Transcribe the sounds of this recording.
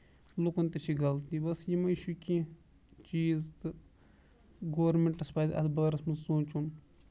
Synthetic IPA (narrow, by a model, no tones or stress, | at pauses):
lukɐnt̪ɐt͡ʃʰiɡɐlt̪ibɐsjimɐiʃukʲi | t͡ʃiːzt̪ɨ | ɡoːɾmeɳʈɐspaːzʲɐ̰t̪bɐɡɐɾɐsmɐsoːnt͡ʃʰun